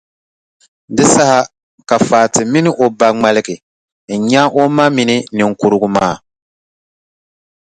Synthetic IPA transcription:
dɨ˦sa˦ha˦ | ka˨faː˨tɪ˨mi˦nɪ˦ʔo˨ba˦ŋ͡ma˦lɪ˦ɡɪ˨ | ɲa˦ʔo˦ma˦mi˦nɪ˦nɨ˨ŋ̩˨ku˦ɾɨ˦ɡʊ˦maː˦˨

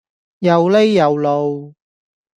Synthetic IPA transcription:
jɐ˨wle˥jːɐ˨wlo˨˧w

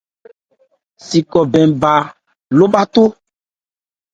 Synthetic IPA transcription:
si˨kɔ˨bɛ̃˨ba˨ | lo˦ba˦t̪o˦

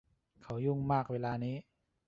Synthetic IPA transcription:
kʰa˨˦˥wju˥˩ŋmaː˥˩k̚weː˧laː˧niː˦˥

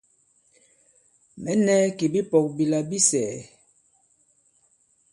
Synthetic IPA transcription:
mɛ˨˦nɛ˦ki˨bi˦pɔ˨k̚bi˨la˨bi˦sɛː˨

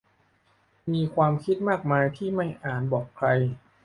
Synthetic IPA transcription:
miː˧kʰwaː˧mkʰi˦˥t̪̚maː˥˩k̚maː˧jt̪ʰiː˥˩ma˥˩jʔaː˨˩nbɔː˨˩kʰɾa˧j

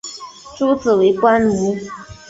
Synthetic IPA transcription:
ʈ͡ʂu˦t͡s̩˨we˨˧˦ɪkwa˦nlu˧˥˦

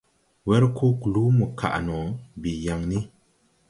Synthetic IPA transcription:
wɛ˦ɾkʰo˦klu˦mu˨ka̰˨ʔnɔ˨bi˨ja˨ŋni˦

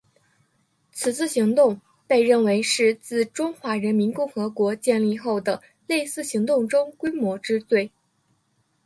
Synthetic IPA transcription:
t͡sʰɹ̩˨˩t͡sʰɹ̩˥˩ɕi˧˥ŋt̪ʊ˥˧ŋ | pe˥˧ɪɻə˥˩nwe˧˥ɪʂɻ̩˥˧t͡sɹ̩˥˩ʈ͡ʂʊ˥ŋxwa˧˥ɻə˧˥nmi˧˥nkʊ˥˩ŋxɤ˧˥kwɔ˧˥t͡ɕjɛ˥˧nli˥˧xo˥˩ʊd̪ə˩ | le˥˧ɪsɹ̩˥˩ɕi˧˥ŋt̪ʊ˥˩ŋʈ͡ʂʊ˥ŋkwe˥ɪmwɔ˧˥ʈ͡ʂɻ̩˥t͡swe˥˩ɪ

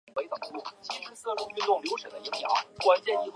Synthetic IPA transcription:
we˧˥ɪt̪ɤ˨˩u˧˥lu˥˩t͡ɕi˥nʂɻ̩˥sə˥˧ʈ͡ʂʊ˥ŋy˥˧nt̪ʊ˥˩ŋljo˧˥ʊʂə˨˩d̪ə˦i˧˥ŋljɑ˧˥ʊkwa˥nt͡ɕjɛ˥˧ni˥˧x

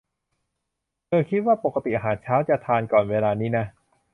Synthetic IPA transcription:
kʰɤː˧kʰi˦˥t̪̚waː˥˩po˨˩kːa˧t̪i˨ʔa˧ɦaː˩˦nt͡ɕʰaː˦˥wt͡ɕa˨˩t̪ʰaː˧nkɔː˨˩nweː˧laː˧niː˦˥na˦˥

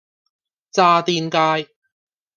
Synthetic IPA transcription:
t͡saː˧t̪iː˧nkaː˧j

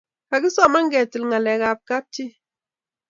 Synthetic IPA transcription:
ka˨ɡi˦sɔ˦˨ma˦ŋ˦ɡɛ˨ti˨lŋa˨lɛ˨ɡa˨p̚ka˦p̚ti˦

